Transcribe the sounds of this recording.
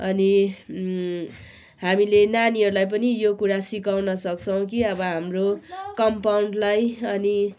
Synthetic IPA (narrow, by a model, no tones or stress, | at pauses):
ʌni | hamilenaniɦʌɾulajp̬ʌnijokuɾasikawnʌsʌk̚t͡sʰʌw̃kiʌbʌɦamrokʌmpawɳɖlajʌni